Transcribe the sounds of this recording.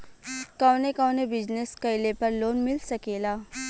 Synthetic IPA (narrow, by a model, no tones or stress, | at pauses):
kɐwnekawnebɪd͡ʒneskɐɪlepɐɾloːnmɪlsɐkeːlaː